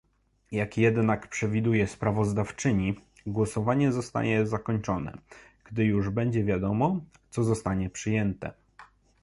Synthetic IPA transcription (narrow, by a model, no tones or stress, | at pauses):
jakjɛd̪nakpʂɛvʲid̪ujɛspɾavɔzd̪aft͡ʂɘɲi | ɡwɔsɔvaɲɛzɔst̪a̰ɲɛzakɔɲt͡ʂɔnɛ̰ɡ̥d̪ɘjuʐbɛɲd͡ʑɛvʲjad̪ɔmɔt̪sɔzɔst̪aɲɛpʂɘjɛnt̪ɛ̰